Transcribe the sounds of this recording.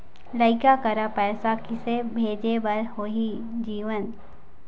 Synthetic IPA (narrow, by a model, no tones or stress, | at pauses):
ləɪkakɐɾapɛːsakɪsebʱeːd͡ʒebɐɾɦoɦi | d͡ʒiːʋən